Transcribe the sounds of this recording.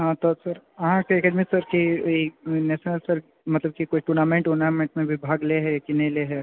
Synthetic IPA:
ɦãt̪osəɾɦãkekəɖmisəɾkiineʃnəlsəɾ | mɐt̪ləb̚kikoːiʈuːɾnamẽɳʈonamẽɳʈmẽʋʱibʱaːɡleɦɛkinɐileɦɛ

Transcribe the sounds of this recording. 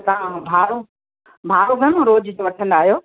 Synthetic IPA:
t̪aãnũbʱaːɾu | bʱaːɾuɡʱɐnõɾoːd͡ʑd͡ʑoːʋɐʈʰə̃nd̪aːɦijoː

